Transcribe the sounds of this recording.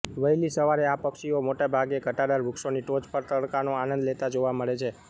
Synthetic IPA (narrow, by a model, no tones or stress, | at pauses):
ʋəilisəʋaɾeapəkʃiomoʈabʱaɡekəʈad̪aɾʋukʃoniʈod͡ʒpəɾt̪əɽkanoanə̃nd̪let̪ad͡ʒoʋaməɭet͡ʃʰe